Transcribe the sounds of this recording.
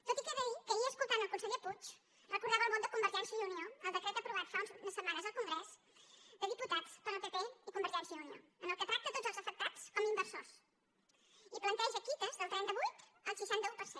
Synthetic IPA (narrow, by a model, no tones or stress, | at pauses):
t̪ot̪ikeðəikəiəːskulˠt̪anəlˠkunsəʎeput͡ʃ | rəkuɾðaβəlˠmond̪əkumbəɾʒɛnsiəðunioəlˠd̪əkɾɛt̪əpɾuβat̪faunznəsəmːanəzðəlˠkuŋɡɾɛs | d̪əðiput̪at͡səɾəlˠpepeikumbəɾʒɛnsjəðunio̰ənəlˠkət̪ɾak̚t̪ət̪od͡zzəlˠzəfək̚t̪at͡skɔmimbəɾsos | iplənt̪ɛʒəkit̪əzðəlˠt̪ɾɛnt̪əβujt̪əlˠsiʃant̪əupəɾse